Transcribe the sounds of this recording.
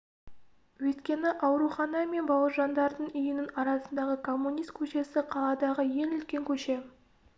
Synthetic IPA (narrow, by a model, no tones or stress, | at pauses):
wɵt̪kʲe̞nɪʔɑwɾuχɑnɑme̞nbɑwəɾʒɑnd̪ɑɾd̪əɴʏjɪnɪnɑɾɑsənd̪ɑʁəkʰo̞mːunijst̪̚kʲʰɵʃe̞sɪqʰɑlˠɑd̪ɑʁəje̞ŋʏlt̪kʲe̞ŋkʲʰɵʃe̞